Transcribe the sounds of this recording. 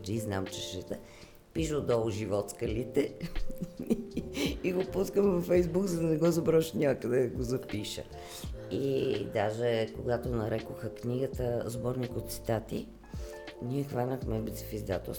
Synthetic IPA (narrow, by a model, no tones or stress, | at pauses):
d͡ʒiznamt͡ʃɛʃɛt̪ə | piʃəod̪ɔlˠʒivɔt̪skəlit̪ɛ | iɡopuskəmvɐfɛjzbuɡzɐd̪ɐnɛɡɔzɐbɾɔʃnʲakəd̪ɛɡozɐpiʃə̰ | id̪aʒɛkoɡat̪onɐɾɛkoxəkniɡət̪əzbɔɾnikot̪si̥t̪at̪ḭ | niɛxvanʲəxmɛbɛt̪si̥fizd̪at̪o̰s